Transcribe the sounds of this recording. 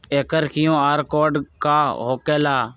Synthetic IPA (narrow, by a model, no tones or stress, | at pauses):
eːkəɾkɪjõːaːɾkoːɖkaːɦoːkeːlaː